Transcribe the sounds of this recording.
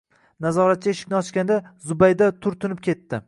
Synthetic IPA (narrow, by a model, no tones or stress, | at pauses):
nazɒɾat̪̚t͡ʃʰaeʃɪ̥kʲnɪɒt͡ʃkʲand̪azʊbajd̪at̪ʰʊɾt̪ʰʊnɪp̚kʲʰe̞t̪ːɪ